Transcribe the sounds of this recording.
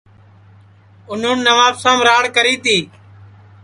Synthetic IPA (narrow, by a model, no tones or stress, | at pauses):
ʊnũːnːəʋaːpsãːmɾaːɽkəɾiːt̪ʰiː